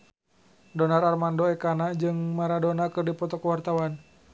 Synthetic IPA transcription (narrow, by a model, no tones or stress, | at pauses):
dɔnararmandɔɛkanad͡ʒɨŋmaɾadɔnakɨrdipɔt̪ɔkəwart̪awan